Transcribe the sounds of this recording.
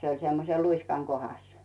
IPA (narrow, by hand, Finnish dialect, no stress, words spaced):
se olʲ semːose luiskɑŋ kohɑs